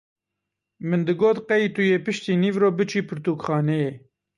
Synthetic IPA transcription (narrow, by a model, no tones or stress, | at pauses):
mɨnd̪ɨɡoːt̪qɛiːt̪ujeːpɨʃt̪iːniːvɾoːbɨt͡ʃʰiːpʰɨɾt̪uːkxɑːnɛjeː